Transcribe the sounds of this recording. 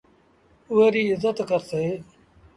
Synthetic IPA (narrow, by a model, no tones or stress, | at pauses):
uɦeːɾiːɪzət̪kəɾseː